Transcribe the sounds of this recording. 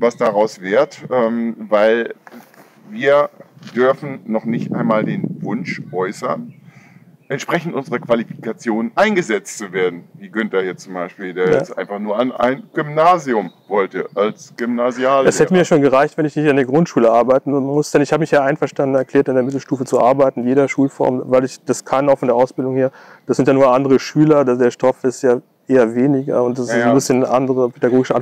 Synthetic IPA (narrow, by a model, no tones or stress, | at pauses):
vasd̥aʁaʊsv̥eːɐtʔɛːmvaɪl | viːɐd̥ʏɐfn̩nɔχnɪçtʔa̰ɪnmaːldeːnvʊnʃʔɔʏsɐn | ʔɛntʃpʁ̥ɛçn̩tʔʊnzəʁəkv̥alifi̥kat͡sjoːnənʔaɪnɡəzɛt͡stt͡suveːɐdn̩viːɡʏntɐjɛt͡st͡sʊmbaɪʃpiːldeːɐjɛt͡stʔa̰ɪnfaχnuːɐana̰ɪnɡ̥ʏmnaːziʊmvɔltəʔalsɡ̥ʏmnaziaːlɛshɛtəmiɐjaʃoːnɡəʁaɪçtvɛnɪçnɪçtandeːɐɡʁʊntʃuːləʔaɐbaɪtn̩mʊsd̥ɛnɪçhaːbəmɪçjaːʔaɪnfɛɐʃtandən̩ɛɐkl̥eːɐtɪndeːɐmɪtl̩ʃtuːfət͡suʔaɐbaɪtn̩jeːɾɐʃuːlfɔ̰ɐmvaɪlɪçd̥askʰanaʊxfɔndeːɐʔaʊsb̥ɪldʊŋheːɐ | d̥asz̥ɪntjanuːɐʔandəʁəʃyːlɐdadeːɐʃtɔfɪstjaː | ʔeːɐveːnɪɡɐ̰ʊnt̚d̥asnbɪsçənəʔandəʁəpʰedaɡoːɡɪʃəʔan